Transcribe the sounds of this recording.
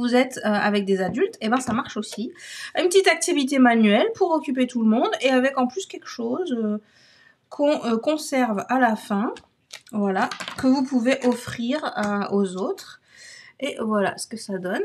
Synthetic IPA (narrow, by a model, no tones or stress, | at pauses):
vuzɛt̪øa̰vɛk̚d̪ezad̪ylt̪ebɛ̃samaʁʃosiaynpət̪it̪ak̚t̪ivit̪emanɥɛlpuʁɔkʲyp̬et̪ulmɔ̃d̪eavɛkɑ̃plyskʲɛlkə̥ʃozø | kʰɔ̃økɔ̃sɛʁvalafɛ̃ | vwalakəvupuveʔɔfχiʁaozot̪χ | evwala̰sə̥kəsad̪ɔn